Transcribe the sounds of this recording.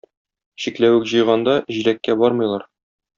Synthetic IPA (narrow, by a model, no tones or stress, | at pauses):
ɕiklæwɘkʑɤ̆jʁɑnd̪ɑʑilækːæbɒɾmɤ̆jlˠɑɾ